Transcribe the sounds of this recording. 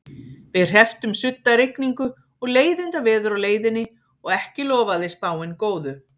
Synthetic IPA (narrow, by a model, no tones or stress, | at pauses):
vɪðr̥ɦɛft̪ʏmsʏt̪naɾɪkniŋkʏ | ɔɣleːjðɪnt̪avɛːðʏɾawleːjðɪnːɪ | ɔɣɛhcɪlɔːvaðɪspaːwɪnkoːwðʏ